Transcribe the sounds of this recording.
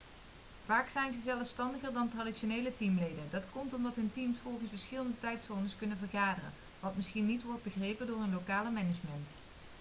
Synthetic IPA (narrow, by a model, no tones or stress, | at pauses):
vaːksɛjnzəzɛlˠfstɑndəχərdɑntraditʃoneːjlətimlejdəndɑtkɔmtɔmdɑtɦɵntimsfɔlˠχənsfəɹsχɪlˠəndətɛjtsɔɹnəskɵnənvərχaːdərə̰n | ʋɑtmɪsχinːitʋɔɹd̚bəχrejpəndʊːrənlokaːləmɛnəd͡ʒmənt